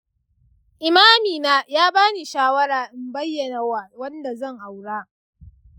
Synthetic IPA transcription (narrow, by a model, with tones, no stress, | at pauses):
ʔɪ˨maː˦miː˨naː˦jaː˦baː˦niː˨ʃaː˦wɐ˦ɽaː˨ʔɪ˨mbɐ˦jːɐ˨na˨a˨wɐ˦nda˨zɐ˦˨ŋʔa˨wɽaː˦